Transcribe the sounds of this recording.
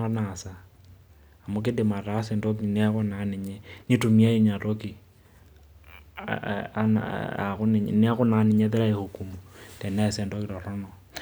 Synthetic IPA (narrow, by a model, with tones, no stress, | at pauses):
ɔ˦na˨saː˨ | mo˦k̬e˦de˨ma˨ɾa˦sɛ˨ndo˦k̬i˨na˦ɣo˦na˨˦ni˨ɲɛ˦ni˦tu˨mi˦a˦ji˦ɲa˨to˦ki˨ | an̰a̰˨ɣu˦n˨ɲni˦a˦ɣu˦na˨˦ni˨ɲɛ˦tɛ˦ɾa˦ehu˨ku˨mutɛ˨nɛ˦sɛ˨ndo˦ki˦ɾɔ˨ɾɔ˦nɔ˨